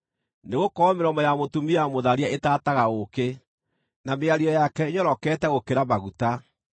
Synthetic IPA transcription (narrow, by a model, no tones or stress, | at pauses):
neɣokɔɔmeɾɔmɔjamotumiamoðaɾiaetaːtaɣaoke | nameaɾiɔjakɛɲɔɾɔkɛːtɛɣokeɾabaɣuta